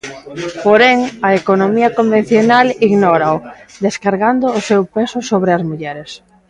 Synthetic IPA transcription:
poɾɛŋɐekonomiɐkombẽn̟θjonaliɣnɔɾaʊd̪eskaɾɣand̪oːsewpesʊsoβɾeɐzmuʎɛɾes

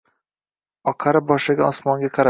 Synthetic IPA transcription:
ɒqʰaɾɪbɒʃɪɡʲaɒsmɒŋɡʲaqʰɑɾa

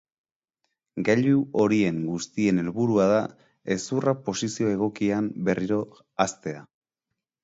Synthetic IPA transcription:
ɡaʎuo̞ɾie̞ŋɡust̪ie̞ne̞lβuɾuaða | e̞surapo̞sisio̞e̞ɣ̞o̞kiambe̞rʔiɾo̞ | ast̪e̞a

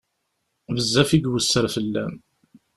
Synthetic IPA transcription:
vəzːæfiɡwəsːəɾfəlːæm

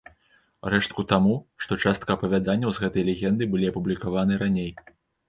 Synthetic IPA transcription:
rɛʂt̪̚kut̪amuʂt̪ɔt͡ʂast̪̚kɐːpɐvʲad̪anʲːɐwzɣɛt̪ɐjlʲɛɣʲɛnd̪ɨbɨlʲiɐpublʲikavanɨɾanʲej

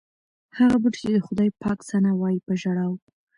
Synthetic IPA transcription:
haɣabəʈt͡ʃed̪əxʊd̪ɑjpɑksanawɑjipəʒaɽaw

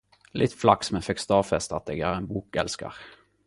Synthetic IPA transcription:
lʔɪt̪ːflɑksmɛfɛkst̪ɑːfɛst̪ɑt̪eːɡæːʁɛɪnbuːkɛlskə̰ʁ

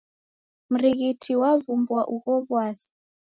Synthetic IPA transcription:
m̩ɾiɣitʰiwavumbwaʔuɣɔβwaːsi̥

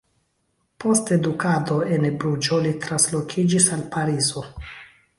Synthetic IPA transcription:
po̞ste̞dukado̞e̞nebɾud͡ʒo̞litɾanslo̞kʰid͡ʒisalpaɾizo̞

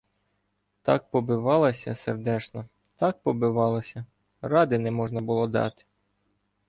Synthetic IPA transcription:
t̪ɑk̚pɔbɪʋɑlˠɐsʲɐserd̪ɛt͡ʃnɔ | t̪ɑk̚pɔbɪʋɑlˠɔsʲɐ | rɑd̪ɪnɛmɔʒnɐbʊlˠɔd̪ɑ̰t̪ɪ̥

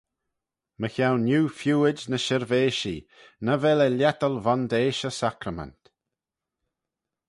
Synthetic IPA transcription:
məçawnjuːfjuːɪd͡ʒnəʃɪɹveːʃi | nəvɛləljɛt̪əlvand̪eːʃəsakɾəmɛ̰nt̪

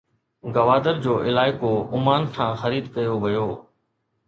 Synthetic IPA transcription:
ɡɐʋaːd̪əɾd͡ʑoːʔɪlaːɪkoʊmaːnkʰãːxɐɾiːd̪kɐjoʋɐjoː

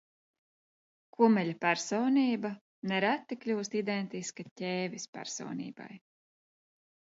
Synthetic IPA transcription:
kʰumɛʎʲapæɾsɔːniːba | nɛɾat̪ːiklʲuːst̪id̪ent̪iskatʲɛːvʲispæ̰ɾsɔ̰ːnʲḭːba̰j

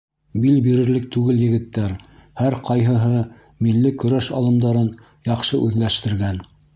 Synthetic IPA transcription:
bilbiɾɘ̆ɾlɘk̚t̪ʉɡɘljɘ̆ɡɘ̆t̪ːæɾhæɾqɑjɦɤ̆ɦɤ | milːɘkɵ̆ɾæʃɑlˠɤ̆md̪ɑɾɤn | jɑqʃɤʔʉðlæʃt̪ɘ̆ɾɡæn

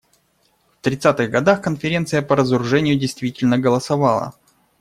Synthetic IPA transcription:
ft̪ɾʲɪt̪sat̪ɨɣɡɐd̪axkənfʲɪɾʲe̞nt̪sɨjəpəɾəzəɾʊʐɛnʲɪjʊdʲɪjst̪vʲitʲɪlʲnəɡəlˠəsɐvalˠə̰

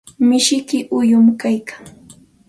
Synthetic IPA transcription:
mɪʃɪkɪʔʊjʊmkajkḁŋ

